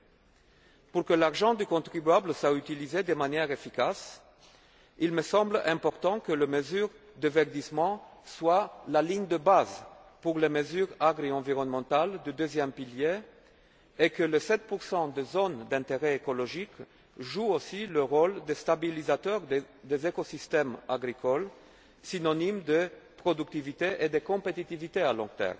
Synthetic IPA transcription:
puʁkəlaʁʒɑ̃d̪ykɔ̃t̪χibyablswayt̪ilized̪əmanjɛʁefikas | ilməsɑ̃blɛ̃pɔʁt̪ɑ̃kələməzyʁ | d̪əvɛʁd̪ismɑ̃swalaliɲd̪əbaz | puʁleməzyʁaɡʁiɑ̃viʁɔnmɑ̃t̪ald̪əd̪øzjɛmpiljeː | kələsɛt̪̚puʁsɑ̃d̪ezɔnd̪ɛ̃t̪eʁeekɔlɔʒik | ʒuosiləʁɔld̪est̪abilizat̪œʁ | d̪ezekosist̪ɛmaɡʁikʰɔl | sinɔnimd̪əpχɔd̪yk̚t̪ivit̪eʔed̪ekɔ̃pet̪it̪ivit̪ealɔ̰̃ɡt̪ɛ̰ːʁm

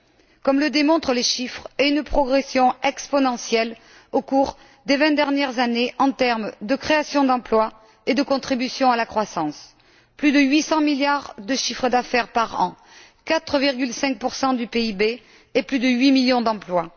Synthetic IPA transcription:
kɔmləd̪emɔ̃t̪χəleʃifχɛynpχɔɡʁesjɔ̃ɛkspɔnɑ̃sjɛl | okuʁ | d̪evɛ̃d̪ɛʁnjɛʁzaneʔɑ̃t̪ɛʁmd̪əkχeasjɔ̃d̪ɑ̃plwa | ed̪əkɔ̃t̪χibysjɔ̃alakχwasɑ̃s | plyd̪əɥisɑ̃miljaʁd̪əʃifχəd̪afɛʁpaʁɑ̰̃ | kat̪χəviʁɡʲylsɛ̃ŋk̚puʁsɑ̃d̪ypeibeː | plyd̪əɥimiljɔ̃d̪ɑ̃plwa

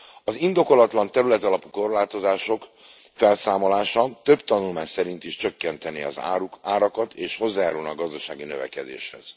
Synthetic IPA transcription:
ɒzind̪o̞ko̞lɒt̪lɒnt̪ɛɾylɛt̪ɒlɒpu̥ko̞rlaːt̪o̞zaːʃo̞k | fɛlsaːmo̞laːʃɒt̪ø̞bt̪ɒnulmaːɲsɛɾint̪iʃt͡ʃø̞kːɛnt̪ɛneɒ̰zuaːɾɒkɒt̪ʰeːʃho̞zːaːjaːɾulnɒɡɒzd̪ɒʃaːɡinøvɛ̰kɛd̪ḛːʃhɛ̰z̥

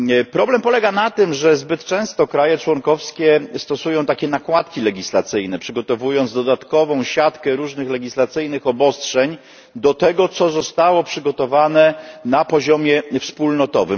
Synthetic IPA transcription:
pɾɔblɛmpɔlɛɡanat̪ɘmʐɛzbɘt̪t͡ʂɛ̃w̃st̪ɔkɾajɛt͡ʂwɔŋkɔfskʲɛst̪ɔsujɔ̃w̃t̪akʲɛnakwat̪kʲilɛɡʲislat̪sɘjnɛpʂɘɡɔt̪ɔvujɔnzd̪ɔd̪at̪kɔvɔ̃w̃ɕat̪kɛɾuʐnɘxlɛɡʲislat̪sɘjnɘxɔbɔstʂɛɲ | d̪ɔt̪ɛɡɔt̪sɔzɔst̪awɔpʂɘɡɔt̪ɔvanɛnapɔʑɔmʲjɛfspulnɔt̪ɔvɘm

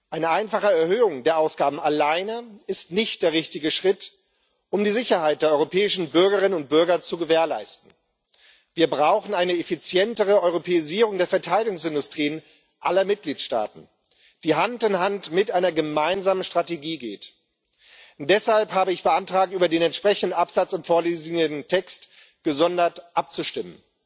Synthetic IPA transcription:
ʔaɪnəʔaɪnfaχəɛɐhøːʊŋdeːɐʔaʊsɡ̥aːbm̩alaɪnəɪstnɪçt̚d̥eːɐʁ̞ɪçtɪɡəʃʁ̥ɪt | ʔʊmdiːzɪçɐhaɪt̚d̥eːɐɔʏʁopʰɛːɪʃn̩bʏɐɡəʁ̞ɪnənʊnt̚b̥ʏɐɡɐt͡suɡəveːɐla̰ɪstn̩ | viːɐbʁaʊχn̩aɪnəefit͡sjɛntəʁ̞əɔʏʁopʰeːɪziːʁ̞ʊŋdeːɐfɛɐtʰaɪdɪɡʊŋsɪndʊstʁ̥iːən | ʔalɐmɪt̚ɡ̥liːtʃta̰ːtn̩ | d̥iːɦantɪnɦantmɪtʔaɪnɐɡəmaɪnzaːmənʃtʁ̥ateɡiːɡeːt | d̥ɛshalphaːbəɪçb̥əʔantʁ̥aːk̚tyːbɐdeːnɛntʃpʁ̥ɛçn̩dən̩ʔapz̥at͡sɪmfoːɐleːzɪŋəntʰɛkst | ɡ̥əzɔndɐtʔap̚t͡suʃtɪmən

